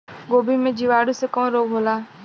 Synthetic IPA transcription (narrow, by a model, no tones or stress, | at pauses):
ɠoːbʱiːmẽːd͡ʒiːʋaːɽuseːkõːɾoːɡɦoːlaː